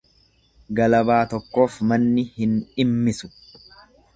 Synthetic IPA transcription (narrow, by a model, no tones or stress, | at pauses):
ɡɐlɐbaːt̪ɔkːo̞ːfmɐnːɪhɪnᶑɪmːɪsʊ̥